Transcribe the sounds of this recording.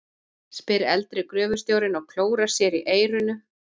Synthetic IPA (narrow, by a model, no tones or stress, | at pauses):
spɪɾɛ̰lt̪ɾɪkɾœːvʏ̥st̪joːwɾɪnɔɣkʰl̥oːwɾḁsjɛɾiʔeːjɾʏnʏ